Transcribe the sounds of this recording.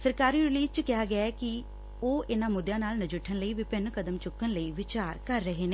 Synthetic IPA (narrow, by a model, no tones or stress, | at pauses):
səɾkaːɾiːɾɪliːd͡ʒt͡ʃəkɪaːɡɪaːɛːkɪ | oːʔɪnãːmʊd̪jãːnaːlnəd͡ʒɪʈʰːənləiːʋɪpɪnːkəd̪əmt͡ʃʊkːənləiːʋɪt͡ʃaːɾkəɾːəɦeːneː